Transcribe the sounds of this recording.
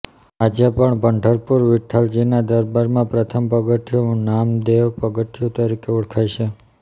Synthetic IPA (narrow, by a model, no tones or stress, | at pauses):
ad͡ʒepəɳbʱəɳɖʱəɾpuɾʋɪʈʰald͡ʒinad̪əɾbaɾmãpɾət̪ʰəmpəɡəʈʰijonamd̪eʋpəɡəʈʰijot̪əɾikeuɽkʰajʃʰe